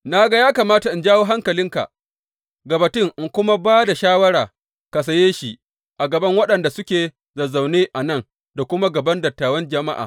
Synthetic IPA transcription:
na˦ɡa˦jaː˦kaː˨maː˦ta˨ʔɪ˨nd͡ʒaː˦woː˦ɦa˦ŋkɐ˨lɪ˦ŋka̰˨ʔ | ɡɐ˨bɐ˨tɪ˦˨ŋʔɪ˨ŋkʷʊ˦ma˦baː˦da˨ʃaː˦wɐ˦ɽaː˨ | ka˨s̬ɐ˨jeː˦ʃi˨ | ʔa˨ɡɐ˨bɐ˦ŋwɐ˦ɗɐ˨nda˨sʊ˦kʲeː˨ | zɐ˨za˨wneː˦ʔa˨nɐ˦ŋ | da˨kʷʊ˦ma˦ɡɐ˨bɐ˦ndɐ˨tːaː˨wɐ˦nd͡ʒɐ˨ma˦ʔa̰ː˨

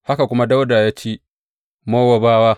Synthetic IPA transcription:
ha˦ka˨kʷʊ˦ma˦da˦wda˨jaː˦t͡ʃiː˦ | moː˦wa˨baː˦waː˦

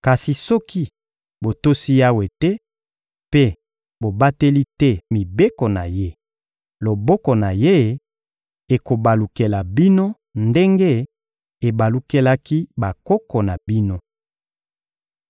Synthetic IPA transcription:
ka˨si˨sɔ˦ki˦ | bo˨to˦si˦ja˦we˨tɛ˦ | pe˦ | bo˨ba˦te˦li˦tɛ˦mi˨be˦ko˨na˨je˦ | lo˨bɔ˦kɔ˨na˨je˦ | e˨ko˨ba˨lu˨ke˨la˨bi˦no˦ | nde˦ŋɡe˦ | e˨ba˨lu˦ke˦la˦ki˦ba˨kɔ˦kɔ˨na˨bi˦no˦

